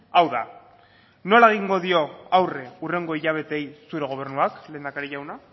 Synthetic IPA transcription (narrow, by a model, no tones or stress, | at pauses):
awða̰ | no̞laeɣiŋɡo̞ðio̞awre̞ure̞ŋɡo̞iʎaβ̞e̞t̪e̞jsuɾe̞ɣ̞o̞β̞e̞rnuakle̞ːnd̪akaɾiʝawna